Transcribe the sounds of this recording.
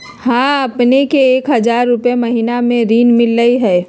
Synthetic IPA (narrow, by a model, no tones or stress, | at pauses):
hãːɐpnekeːkɦɐzaːɾːʊpjemɐɦiːnamẽɾiːnmɪlːəiɦɛː